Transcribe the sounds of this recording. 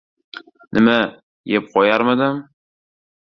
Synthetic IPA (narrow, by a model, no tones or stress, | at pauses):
nʔɪma | jep̚qʰɒjaɾmad̪ɪm